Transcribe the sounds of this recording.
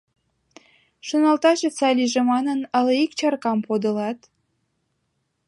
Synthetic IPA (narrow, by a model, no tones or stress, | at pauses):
ʃonɑlt̪ɑʃet͡sɑlʲiʒemɑnənə̆leikt͡ɕɑrkɑmpod̪ə̆lɑt̪